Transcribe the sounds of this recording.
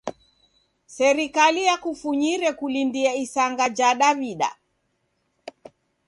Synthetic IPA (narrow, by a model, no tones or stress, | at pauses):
sɛɾikalijakufuɲiɾɛkulindiaisaŋɡad͡ʒaɗaβiɗa̰